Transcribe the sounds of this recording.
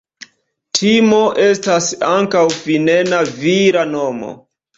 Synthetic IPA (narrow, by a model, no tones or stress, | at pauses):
tʰimo̞ʔe̞stasaŋkawfinenaviɾano̞mo̰